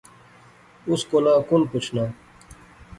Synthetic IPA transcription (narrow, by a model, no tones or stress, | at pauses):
uskonãːkunput͡ʃʰnaː